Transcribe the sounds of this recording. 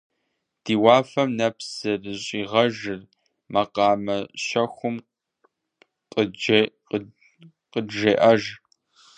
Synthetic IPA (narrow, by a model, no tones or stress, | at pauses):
d̥iːwaːfɐmnɐpsɨrɨɕʼiːʁɐʒɨr | mɐqɑːmɐʃɐxʷʊm | qʼəd͡ʒe | qəʒeːʔɐʒ